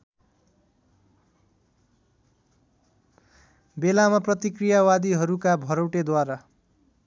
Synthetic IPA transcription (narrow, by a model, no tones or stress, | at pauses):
belamaprʌt̪ikrijawad̪iɦʌɾukabʱʌɾʌwʈed̪waɾa